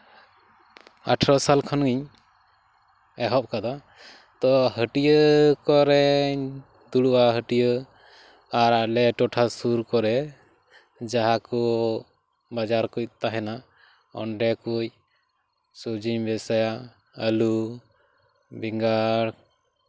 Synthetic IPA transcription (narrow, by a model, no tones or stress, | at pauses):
a̰ʈʰɾɔsalkʰɔnɡiɲ | ɛɦɔp̚kad̪a | t̪ɔɦəʈijəkɔɾɛ | d̪uɽuʔaɦəʈijə | aɾalɛʈɔʈʰasuɾkɔɾɛ | d͡ʒaɦakɔ | bad͡ʒaɾkuc̚t̪aɦɛna | ɔ̰ɳɖɛkuc | sud͡ʒiɲbɛsaja | əlu | biŋɡaɾ